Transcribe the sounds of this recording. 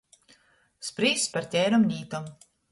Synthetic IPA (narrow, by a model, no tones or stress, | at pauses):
spɾiːspaɾt̪ʲɛjɾɔmnʲiːt̪ɔm